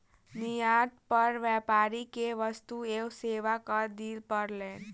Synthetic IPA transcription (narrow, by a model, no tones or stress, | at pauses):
nijad̪̚pʌɾbjapaɾikeʋʌst̪uewseʋakʌd̪ilpʌɾlen